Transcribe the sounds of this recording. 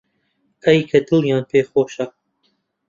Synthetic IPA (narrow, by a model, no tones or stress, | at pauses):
ʔɐjkʰɐd̪ɨlˠjɑːnpʰeːxoːʃɐ